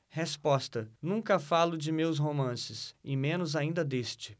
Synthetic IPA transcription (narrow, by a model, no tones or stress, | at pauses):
hespɔst̪ɐnũŋkɐfalʊd͡ʒɪmews̬ɦomɐ̃sɪsɪmẽnʊzaĩnd̪ɐd̪est͡ʃɪ̥